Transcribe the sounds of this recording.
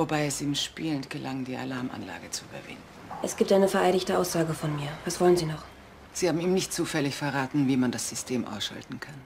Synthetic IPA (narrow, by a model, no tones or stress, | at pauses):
vobaɪɛsiːmʃpiːləntɡ̥əlʔaŋdiːʔa̰laɐmʔa̰nla̰ːɡət͡suyːbɐ̰vɪ̰ndn̩ʔɛsɡ̥iːp̚tʔaɪnəfɛɐʔaɪɾɪçtəʔaʊsz̥aːɡəfɔnmiːɐvasv̥ɔlənziːnɔχ | z̥iːhaːbm̩iːmnɪçtt͡suːfɛlɪçfɛɐʁaːtn̩viːmandasz̥ʏstʰeːmʔa̰ʊsʃa̰ltn̩kʰan